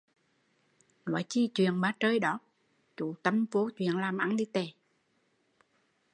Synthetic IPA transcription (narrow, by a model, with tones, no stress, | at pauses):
nwɔ̰˧˩˦jt͡ɕi˧t͡ɕwḭ˧˨ənɓaː˨˧˦t͡ɕəː˧jɗɔ˨˦ | t͡ɕu˧˨˦t̪ə˧mvo˨˦t͡ɕwḭ˧˨ənlaː˨˩mʔa˨˦nɗi˧˦t̪e˨˩